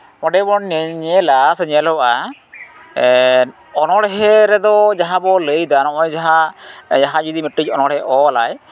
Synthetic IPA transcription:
mɔɖɛbɔnːɛɲɛlasəɲəlɔwʔa | ɔnɔɽɦɛɾɛd̪ɔd͡ʒaɦãbɔləjd̪anɔʔɔjd͡ʒaɦad͡ʒaɦad͡ʒud̪imiʈɾic̚ˀɔnɔɽɦɛʔɔla̰j

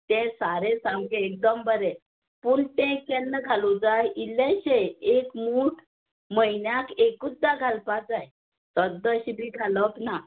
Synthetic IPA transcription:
t̪ɛ̃saɾesãŋɡeek̚d̪əmbəɾɛ | puɳt̪ẽkɛnːəɡʱalod͡zajileɕeekmuːʈʰ | məjnjakekud̪ːaɡʱalpad͡zaj | t̪əd̪əɕibʱiɡʱaləp̪na

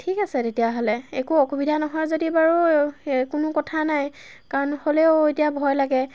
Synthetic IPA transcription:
tʰikasɛdetijaɦolɛekuɔxubidʱanɔɦɔjzodibaɹukʊnʊkɔtʰanaj | kaɹɔnholɛʊetijabʱɔjlaɡɛ

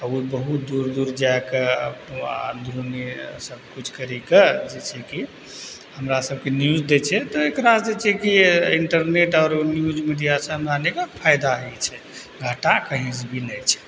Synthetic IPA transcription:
ɔubəɦut̪̚d̪uɾd̪uɾd͡ʒaeke | d̪uɾunesəbkut͡ʃʰkəɾiked͡ʒet͡ʃʰɛki | ɦəmɾasəb̚kenjud͡ʒd̪et͡ʃʰɛt̪ɔekɾasd͡ʒet͡ʃʰɛkiiɳʈəɾneʈɔɾnjud͡ʒmiɖijasə̃ɦəmɾanekəpʰajd̪aɦɛt͡ʃʰɛ | ɡʱəʈakəɦĩsbʱinɛt͡ʃʰɛ̥

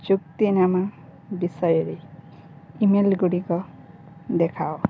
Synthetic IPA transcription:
t͡ʃuk̚t̪inamabisɔjɹi | imelɡuɽikɔ | d̪ɛkʰaw

